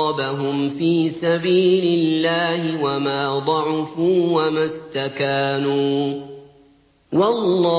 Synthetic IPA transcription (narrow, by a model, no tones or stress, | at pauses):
baɦʊmfiːsabiːlɪlːaːhɪwamaːd̪ˤɑʕʊfuːwamast̪akaːnuː | wɑlˤːɑ